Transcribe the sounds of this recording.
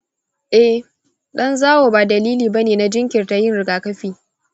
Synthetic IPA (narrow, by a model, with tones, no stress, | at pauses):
ʔɛ˦h | ɗɐ˦nzaː˦woː˨baː˨dɐ˨liː˦liː˨bɐ˦neː˨na˦d͡ʒɪ˦ŋkʲɪ˨rta˨jɪ˦˨nɾɪ˨ɡaː˨kɐ˦ɸiː˦